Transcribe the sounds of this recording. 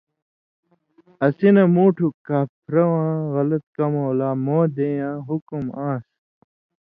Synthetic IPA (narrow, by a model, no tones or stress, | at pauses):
ɐsinɐmuːʈʰukaːpʰɾɐwãːɣɐlɐt̪̚kɐmoːlaːmoːd̪ejãːɦukumãːs